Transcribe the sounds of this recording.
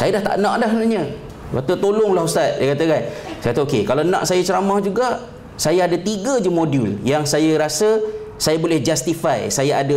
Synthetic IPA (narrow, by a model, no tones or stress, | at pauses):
sajadaht̪a̰ʔnãʔdahsənaɲə | a̰t̪ət̪olʊŋlahust̪at̪̚jajkat̪əkansajkat̪okekalanãʔsajat͡ʃəɾamãhd͡ʒuɡaʔ | sajaadat̪iɡəd͡ʒəmoduljaŋsajaɾasə | sajabolɛhd͡ʒast̪ifajsajaada